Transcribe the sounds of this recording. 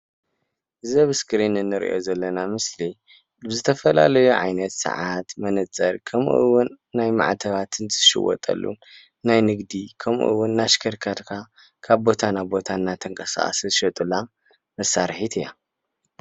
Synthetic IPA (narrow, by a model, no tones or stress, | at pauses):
ɨzɐβskʰʼɾinɨnːɨɾḭʔo̞̰zɐlːɐnamɨsli | bzɨt̪ʰɐfɐla̰lɐjuʕa̰jnɐt̪sɨ̰ʕat̪mɐnɐt͡sʼɐɾkʰɐmʔɨwʊnːajma̰ʕt̪ʰɐβat̪ʰɨnzɨʃɪ̰wɔ̰t̪ʼɐ̰lːṵ | najnɨɡd̪ikʰɐmʔṵʔɨ̰wːʊnːaʃkʰɐɾkʰat̪kʰa | kʰaβbo̞t̪ʰanabo̞t̪ʰanːat̪ʰɨŋkʼɐsa̰ʔʼsɨʃɐt̪ʼɨla | mɐsaɾħit̪ʰɨja